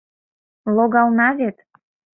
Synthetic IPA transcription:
lˠoɣɑlˠnɑβet̪

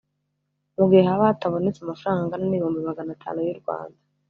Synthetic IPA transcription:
muɡiehaβataβo̞net͡samafuɾaːŋɡanimihuːmbimaɡanatʰa̰ːnujuɾɡwa̰ːnda

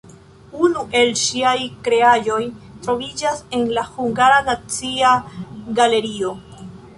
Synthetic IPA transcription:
unuʔe̞lʃiajkɾe̞aʒo̞jtɾo̞vid͡ʒase̞nlahuŋɡaɾanat͡siaɡale̞ɾio̞

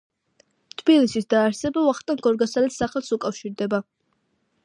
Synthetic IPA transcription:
t̪ʰb̥ilisisd̪aːɾsɛbavaχt̪ʼaŋɡɔɾɡasalɛt̪saχɛlˠsukʼafʃiɾd̪ɛba

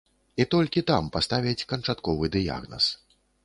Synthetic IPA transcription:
it̪ɔlʲkʲit̪ampast̪avʲɛt͡sʲkɐnt͡ʂat̪kɔvɨd̪ɨja̰ɣnɐ̰s

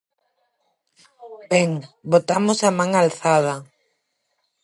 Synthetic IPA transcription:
bɛŋbot̪amosamãŋalθað̞a

